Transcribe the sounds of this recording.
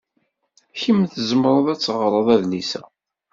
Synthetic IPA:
çimθəzəmɾˤəðˤæt͡sːʁɾˤəðˤæðnisæ

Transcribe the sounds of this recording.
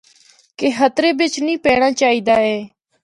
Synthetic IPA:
keːɦət̪ɾeːbɪt͡ʃnĩːpɛːɽ̃ãːt͡ʃaːɦiːd̪aːɛː

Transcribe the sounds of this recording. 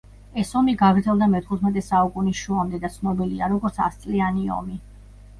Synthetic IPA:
ɛsɔmiɡaɡɾd̪zɛlˠd̪amɛt̪ʰχut̪ʰmɛt̪ʼɛsaukʼunisʃuamd̪ɛd̪at̪sʰnɔbiliaɾɔɡɔɾt̪sʰa̰st̪sʼlianiɔ̰mi

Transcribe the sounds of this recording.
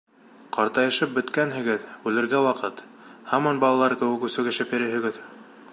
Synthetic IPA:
qɑɾt̪ɑjɤ̆ʃɤp̚bɵ̆t̪kænɦɘ̆ɡɘðʉlɘ̆ɾɡæwɑqɤt̪ | hɑmɑnbɑlˠɑlˠɑɾkɘ̆wɘ̆kʉsɘ̆ɡɘ̆ʃɘpjɘ̆ɾɘ̆ɦɘ̆ɡɘð

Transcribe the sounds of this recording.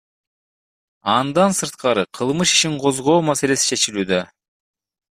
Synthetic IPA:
ɑnd̪ɑnsɯɾt̪qɑɾɯqʰɯlˠmɯʃi̥ʃiɴqʰo̞zʁo̞ːmase̞le̞si̥t͡ʃʰe̞t͡ʃilyːd̪ø

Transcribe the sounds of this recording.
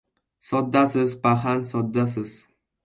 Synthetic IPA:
sɒd̪ːasɪzpaɦansɒd̪ːasɪz̥

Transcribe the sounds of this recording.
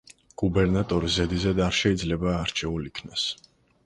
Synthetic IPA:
ɡ̥ubɛɾnat̪ʼɔɾizɛd̪izɛd̪aɾʃɛid̪zlɛbaːɾt͡ʃʰɛulikʰnas

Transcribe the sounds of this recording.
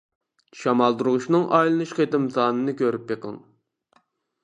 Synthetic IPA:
ʃɑmɑlˠd̪uɾʊʁuʃnɨŋʔɑjlˠɨnuʃqet̪ɪmsɑːnɨnɨkʲʰøɾyp̚jeqʰə̰ŋ

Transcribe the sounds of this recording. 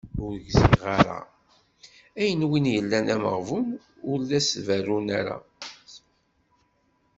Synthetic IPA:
ʊɾɡziʁaɾa̰ | æjənwinjəlːænæməʁvum | ʊɾlæsværunæɾa̰

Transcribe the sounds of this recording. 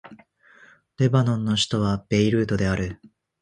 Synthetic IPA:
ɾe̞banõ̞nːo̞ɕi̥t̪o̞βab̥e̞iɾɯ̟ːt̪o̞d̪e̞aɾɯ̟

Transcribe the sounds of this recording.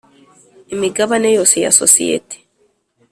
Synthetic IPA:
emiɡaβanejoseja̰sosḭḛti̥

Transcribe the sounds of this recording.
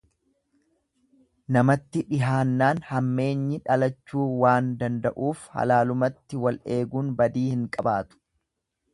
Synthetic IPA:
nɐmɐt̪ːɪᶑɪɦaːnːaːnhɐmːe̞ːɲːɪᶑɐlɐt͡ʃːuːwaːnd̪ɐnd̪ɐʔuːfhɐ̰laːlʊmɐt̪ːɪwɐlʔe̞ːɡuːnbɐd̪iːhɪŋkʼɐbaːt̪ʊ̥

